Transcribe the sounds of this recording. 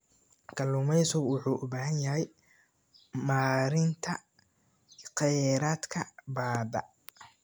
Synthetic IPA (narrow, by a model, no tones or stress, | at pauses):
kʰɐluːmɛjsʊɡwʊħuːʔʊbaːhɐnjɐɦɛj | maːɾɪnt̪ʰɐ | qɛjɾaːd̪kʰɐbaːd̪ɐ̰